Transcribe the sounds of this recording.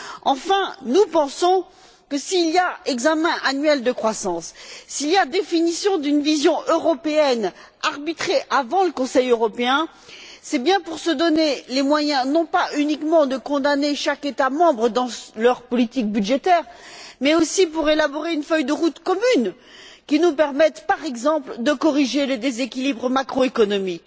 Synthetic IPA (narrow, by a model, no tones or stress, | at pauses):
ɑ̃fɛ̃nupɑ̃sɔ̃ | kəsiːlijaɛɡzamɛ̃ʔanɥɛld̪əkχwasɑ̃sːilijad̪efinisjɔ̃d̪ynvizjɔ̃ʔøʁɔpeɛn | aʁbit̪χeʔavɑ̃ləkɔ̃sɛjøʁɔpeɛ̃ | sɛbjɛ̃puʁsəd̪ɔnelemwajɛ̃nɔ̃paynikmɑ̃d̪əkɔ̃d̪aneʃaket̪amɑ̃bʁəd̪ɑ̃lœʁpɔlit̪ik̚byd̪ʒet̪ɛʁmɛosip̬uʁelabɔʁeynfœjd̪əʁut̪kɔmyn | kʲinupɛʁmɛt̪paʁɛɡzɑ̃pld̪əkɔʁiʒeled̪ezekʲilibʁmakχoekɔnɔmik